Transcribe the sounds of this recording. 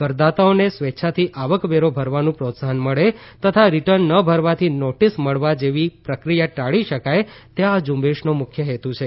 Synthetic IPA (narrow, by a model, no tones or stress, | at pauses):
kəɾd̪at̪aonesʋetːʃʰat̪ʰiʔaʋəkʋeɾobʱəɾʋanũpɾot̪saɦənməɭet̪ət̪ʰaɾiʈəɾnːəbʱəɾʋat̪ʰinoʈisməɭʋad͡ʒeʋipɾəkɾijaʈaɭiʃəkajt̪ead͡ʒũmbeʃnomʊkʰjəɦet̪ũt͡ʃʰe